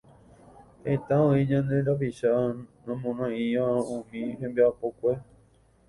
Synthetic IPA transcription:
het̪aõiɲãnd̪e̞ɾapiʃanãmõnãĩʋãũmĩɦẽmbiapokʷe

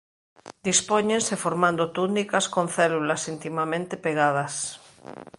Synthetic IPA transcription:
d̪ispoɲẽnsefoɾmãnd̪ot̪unikaskõnθɛlulasint̪imamẽnt̪epeɣ̞að̞as

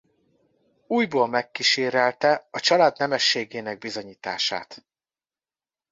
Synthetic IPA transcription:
uːjboːlmɛkːiʃeːɾɛlt̪ɛɒt͡ʃɒlaːd̪nɛmɛʃːeːɡeːnɛɡ̚bizo̞ɲiːt̪a̰ːʃa̰ːt̪

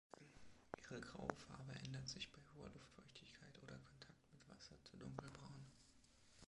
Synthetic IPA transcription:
ʔiːʁəɡʁa̰ʊfa̰ɐbəʔɛ̰ndɐtz̥ɪçb̥aɪhoːɐ̰lʊftfɔʏçtʰɪçkʰaɪtʔoːdɐkʰɔntʰak̚tmɪtv̥a̰sɐt͡sudʊŋkl̩bʁaʊn

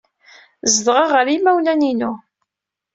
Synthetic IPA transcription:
zðʁəʁəɾimæwlæninu

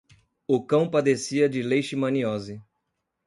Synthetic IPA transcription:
ʊkɐ̃w̃pad̪esiɐd͡ʒɪlejʃɪmɐ̃niɔzɪ

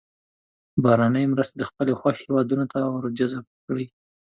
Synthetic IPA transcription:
bɑɾanəjmɾəst̪ed̪əxpəlexwahewɑd̪unot̪awəɾd͡ʒazabkɽi

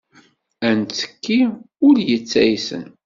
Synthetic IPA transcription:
ænt͡sːə̥kːi | ʊɾjət͡sːæjsə̰n

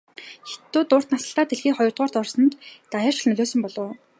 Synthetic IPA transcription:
xe̥t̪ːuːt̪ʊːr̥t̪nasə̆ɬt̪aːt̪ʰeɮxiːχɔjɞ̆rt̪ʁɔːr̥t̪ɔrsɞ̆nt̪ːajə̆ːrt͡ɕ̆ɮnɵɮʲoːsɵ̆mpɔɮʊː

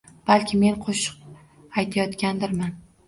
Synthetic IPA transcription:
b̥alkʲʰɪme̞nqʰoʃʊ̥q̚ | ajt̪ʰajɒt̪kʲand̪ɪɾman

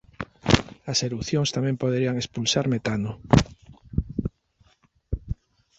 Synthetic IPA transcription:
aseluθjoŋst̪amẽmpoð̞eɾiaŋespulsaɾmet̪ano

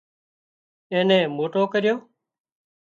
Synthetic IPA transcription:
ẽːnẽːmoːʈoːkəɾɪjoː

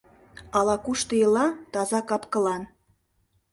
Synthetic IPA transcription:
ɑlɑkuʃt̪ɤjəlɑt̪ɑzɑkɑpkə̆lɑn

